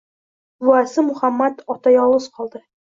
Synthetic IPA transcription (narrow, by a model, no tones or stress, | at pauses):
vuæsɤmuχæmːæt̪ɒt̪ɑjɒlˠɤsqɒlˠd̪ɤ